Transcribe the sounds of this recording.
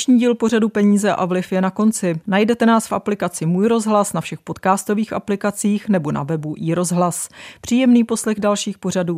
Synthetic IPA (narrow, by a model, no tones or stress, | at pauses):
ʃɲiːɟiːlpo̞r̝adupɛɲiːzɛʔa̰vlɪfjɛnako̞nt͡sɪnajdɛt̪ɛnaːsfʔaplɪkat͡sɪmuːjɾo̞zɦlasnafʃɛxpo̞t̪kaːst̪o̞viːxʔaplɪkat͡siːxnɛbo̞na̰vɛbuʔiːɾo̞zɦlaspr̝̥iːjɛmniːpo̞slɛɣdalʃiːxpo̞r̝aduː